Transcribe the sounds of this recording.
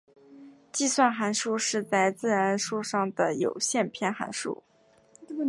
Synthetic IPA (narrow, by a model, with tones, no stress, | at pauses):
t͡ɕi˥˧swa˥˩nxa˧˥nʂu˥˧ʂɻ̩˥˧t͡sa˥˧ɪt͡sɹ̩˥˩ɻa˧˥n˥nʂu˥˧ʂɑ˥˩ŋd̪ə˩jo̰˨˩ʊɕjɛ˥˧npʰjɛ˥˩nxa̰˧˥nʂṵ˥˩